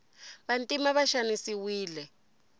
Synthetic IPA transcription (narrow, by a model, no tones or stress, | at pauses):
βantʼimaβaʃanisiwiːlɛ